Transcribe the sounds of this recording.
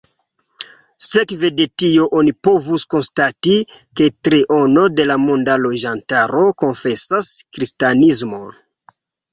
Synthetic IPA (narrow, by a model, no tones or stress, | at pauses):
se̞kve̞de̞tio̞ʔonipo̞vusko̞nstatike̞tɾiʔono̞de̞lamondalo̞ʒantaɾo̞ko̞nfe̞saskɾistanizmo̞